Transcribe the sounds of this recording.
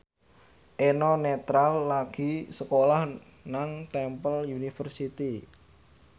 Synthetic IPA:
ʔenɔnet̪ɾalːaɡ̥i̤səkolah | naŋt̪ɛmpəljunifərsit̪i

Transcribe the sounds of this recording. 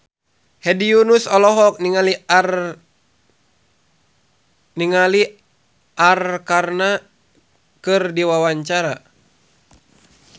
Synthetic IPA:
hɛdiunusɔlɔɦɔk̚niŋalir | niŋali | ʔarkarna | kɨrdiwawaɲt͡ʃaɾa

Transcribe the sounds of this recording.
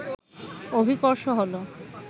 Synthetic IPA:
obʱikoɾʃoɦolo

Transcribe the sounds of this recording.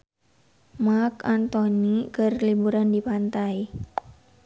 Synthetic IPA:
markant̪onikərlibuɾandipant̪aj

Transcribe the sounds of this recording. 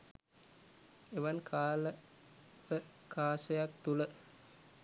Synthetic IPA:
eʋankʰaːlə | ʋə | kʰaːsəjakt̪ulə

